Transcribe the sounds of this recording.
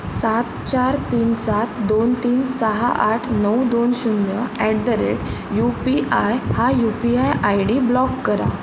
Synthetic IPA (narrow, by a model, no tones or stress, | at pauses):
sat̪̚t͡ɕaɾt̪iːnsat̪d̪ont̪iːnsəɦa̰ʔaʈʰnəwd̪onɕunjəɛʈ̚d̪əɾḛʈ | jupiajhajupiajʔajɽiːblɔkːəɾa̰